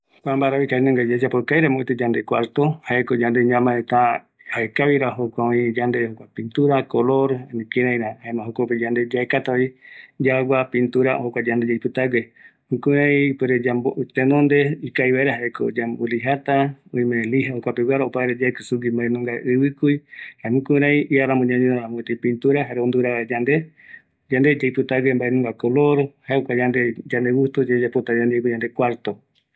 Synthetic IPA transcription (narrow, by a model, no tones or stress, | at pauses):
kʷambaɾaβikainũŋɡad͡ʒad͡ʒapokajɾamõit̪ed͡ʒand̪ekwaɾt̪ohaekod͡ʒand̪eɲãmãẽt̪a | haekaβiɾaɦokʷaõĩd͡ʒand̪ehokʷapint̪uɾakoloɾanĩkiɾãj̃ɾahaemãɦokoped͡ʒand̪ed͡ʒaekat̪aoid͡ʒaɡʷapint̪uɾahokʷad͡ʒand̪ed͡ʒaipɨt̪aɡehukuãipeɾed͡ʒamboʔut̪enõnd̪eikajβaeɾaɦaeko̰d͡ʒamboliɦat̪aõĩmẽliɦahokʷapewaɾaopaeɾed͡ʒaekɨsuɡimbaẽnũŋɡaʔɨβɨkuihaemũkuɾãĩʔiaɾamõɲãɲõãmõet̪apint̪uɾaɦaɾeond̪uɾaaed͡ʒand̪e | d͡ʒand̪ed͡ʒejpɨt̪aɡembaʔenũŋɡakoloɾhaeokʷad͡ʒand̪ed͡ʒand̪eɡust̪ud͡ʒed͡ʒapot̪ad͡ʒand̪ekid͡ʒand̪ekʷwaɾt̪o